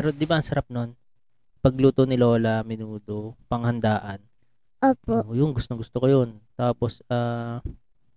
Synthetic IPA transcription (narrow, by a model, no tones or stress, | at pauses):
ɛɾod̪ɪbaʔɐŋsɐɾap̚no̞n | pɐɡ̚luːt̪onɪlo̞ːlɐmɪnuːd̪o̞pɐŋhɐnd̪aːʔɐn | ʔoːpojʊŋɡʊst̪oŋɡʊst̪okojont̪aːpo̞saː